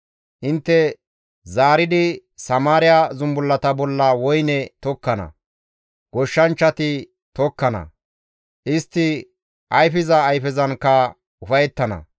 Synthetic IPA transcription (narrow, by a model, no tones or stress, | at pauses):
ʔɪnt̪ːɛ | zaːɾɪd̪ɪsɐmaːɾɪjazʊmbʊlːɐt̪ɐbɔlːɐwɔjnɛt̪ɔkːɐnɐ̰ | ɡ̥ɔʃːɐnt͡ʃːɐt̪ɪ | t̪ɔkːɐnɐ̰ | ʔɪst̪ːɪ | ʔɐjfɪzɐːjfɛzɐnkːɐ | ʊfɐjɛt̪ːɐnɐ̰